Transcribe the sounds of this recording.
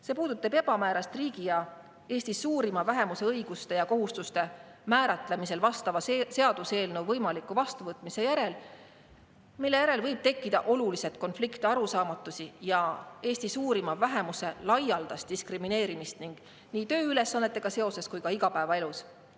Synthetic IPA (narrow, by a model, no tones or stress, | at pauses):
se̞ːpuːd̪ut̪ːˑɑb̥e̞b̥ɑmæːɾɑst̪riːɡ̥ijɑ | e̞ːsʲt̪isːuːɾimɑvæɦe̞muse̞ɤiɡ̥ust̪e̞jɑko̞ɦust̪ust̪e̞mæːɾɑt̪ˑle̞mise̞lvɑst̪ɑvɑse̞ɑd̪use̞ːlnewvɤjmɑlikːˑuvɑst̪uvɤt̪ːˑmise̞jæɾe̞l | milːe̞jæɾe̞lvɤjb̥t̪e̞kːˑid̪̥ɑʔo̞lulise̞t̪ko̞nflikt̪iɑɾusɑːmɑt̪ːˑusijɑe̞ːst̪isuːɾimɑvæɦe̞muse̞lɑjɑld̪̥ɑst̪̚d̪iskrimine̞ːɾimist̪niŋɡ̥ | niːt̪ø̞ːyle̞sːɑnːet̪ːˑe̞ɡ̥ɑse̞o̞se̞skujkɑiɡɑpæevɑe̞lus